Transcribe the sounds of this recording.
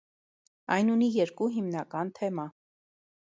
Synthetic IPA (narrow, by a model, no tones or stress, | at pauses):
ɑjnunijɛɾkuɦimnɑkɑnt̪ʰɛmɑ